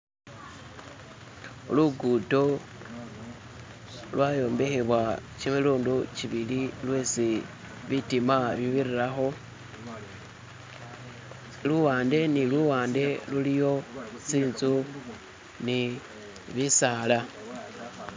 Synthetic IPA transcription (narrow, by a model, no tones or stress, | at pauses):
luɡuto̞ | lwajo̞ːmbe̞xeβwat͡ʃiβeluːndut͡ʃiβililwe̞ːsi | βitimaβiβiriɾaxo̞ | luwaːnde̞niluwaːnde̞lulijo̞t͡siːnzu | ni | βisaːla